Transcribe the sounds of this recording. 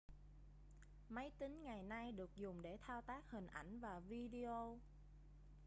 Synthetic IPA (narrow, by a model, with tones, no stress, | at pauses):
mə˨˦jt̪ï˨˦ŋ̟ŋa˨˩jna˧jɗɨ˨˩ək̚zʊ˨˩ŋ͡mɗe˧˩t̪ʰaː˧wt̪aː˦˥k̚hï˨˩ŋ̟ʔa̰˧˩jŋ̟vaː˨˩vi˧ɗi˧ʔo˧